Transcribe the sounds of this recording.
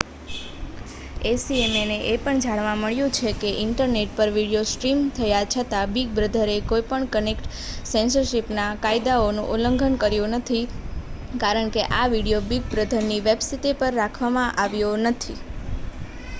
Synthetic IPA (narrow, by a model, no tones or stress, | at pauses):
esiemeneʔepəɳd͡ʒʱaɽʋãməɭjũt͡ʃʰekeʔɪɳʈəɾneʈ̚pəɾʋiɽijosʈɾimt̪ʰəjat͡ʃʰət̪abiɡ̚bɾəd̪ʱəɾekojpəɳkənekʈ | sẽnsəɾʃipnakaid̪aonṵ̃ʔoləŋɡʱənkəɾjunət̪ʰi | kaɾəɳkeʔaʋiɽijobiɡ̚bɾəd̪ʱəɾniʋebsit̪epəɾːakʰʋamãʔaʋjonət̪ʰi